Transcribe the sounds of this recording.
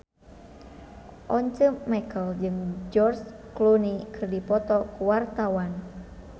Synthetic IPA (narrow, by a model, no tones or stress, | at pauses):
ʔɔɲt͡ʃəːɛkəld͡ʒɨŋd͡ʒɔrsklunikɨrdipɔt̪ɔkuwart̪awan